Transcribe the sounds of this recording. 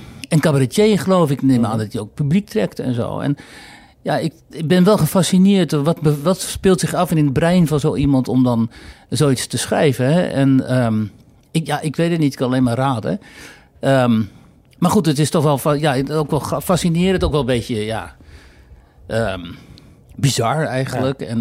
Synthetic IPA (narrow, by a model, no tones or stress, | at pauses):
ɛnkabarɛtjeːχəloːfɪknemaːndɔtjəowk̚pyblik̚trɛktɛ̰nzo̰ːɛ̰n | jaɪk | ɪbɪnʋɛlˠxəfasinɪərtʋɔtbəʋɔtspɪlˠtsɪxafɪnɪnəbrɛjnfɔnzoːʔimɔntɔmdɔnzoːitstəsχrɛ̰jvəɦɛʔɛ̰nəm | ɪjaʔɪkʋeːdətnitɪkanaleːnmaːraːdə̰ | əm | marχutətɪstɔχʋɛlˠfjaokʋɛlˠfasinɪːɾəntokʋɛlˠbeːtjəja̰ | ʔə | bizaɹɛjɣənləkɛn